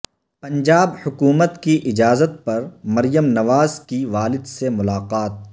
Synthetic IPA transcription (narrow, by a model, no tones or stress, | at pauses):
pɐ̃nd͡ʒaːbhʊkuːmət̪kiʔɪd͡ʒaːzət̪̚pɐɾmɐɾjəmnɐʋaːzkiʋaːlɪd̪semʊlaːqaːt̪̚